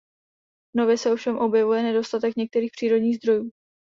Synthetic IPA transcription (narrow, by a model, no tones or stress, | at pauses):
vnovjɛsɛofʃɛmʔo̞bjɛvujɛnɛdo̞st̪at̪ɛkɲɛk̚t̪ɛɾiːxpr̥iːɾo̞dɲiːɣzd̪ɾo̞juː